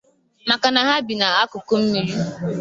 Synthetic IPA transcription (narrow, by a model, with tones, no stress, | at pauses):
ma˨ka˨na˨ɦa˦bi˨na˨a˦kʊ˨ko˦m̩˦mi˨ɾi˦